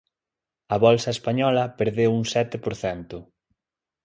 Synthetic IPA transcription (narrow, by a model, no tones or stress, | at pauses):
ɐβɔlsɐespaɲɔlɐpeɾðewuŋsɛt̪ɪpoɾθɛnt̪ʊ